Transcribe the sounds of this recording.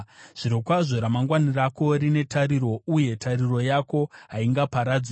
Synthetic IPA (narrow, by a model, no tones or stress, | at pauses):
ʐ̥iɾokwaʐo̞ɾamaŋɡwanirako̞ɾine̞tʰaɾiɾo̞uje̞tʰariro̞jako̞ɦaiŋɡapaɾad͡za